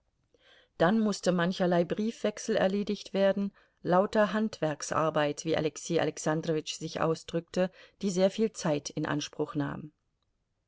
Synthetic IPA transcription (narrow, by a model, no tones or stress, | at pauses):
d̥anmʊstəmançɐlaɪbʁiːfv̥ɛksl̩ɛ̰ɐleːdɪçtv̥eːɐdn̩ | laʊtɐɦantv̥ɛɐksʔa̰ɐbaɪtv̥iːʔa̰lɛksiːʔa̰lɛksandʁɔvɪt͡ʃz̥ɪçʔa̰ʊsd̥ʁʏk̚təd̥iːzeːɐfiːlt͡saɪtʰɪnʔa̰nʃpʁ̥ʊxna̰ːm